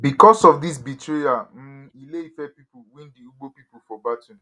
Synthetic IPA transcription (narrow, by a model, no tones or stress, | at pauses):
bikɔsɔfdis̬bitʰeam̩ilefɛpipuwĩndiuɡ͡bopipufɔbatũn